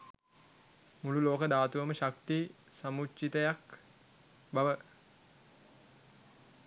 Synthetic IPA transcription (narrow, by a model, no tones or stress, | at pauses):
mululoːkəd̪aːt̪uʋəməʃak̚t̪i | samut͡ʃːit̪əjak | baʋə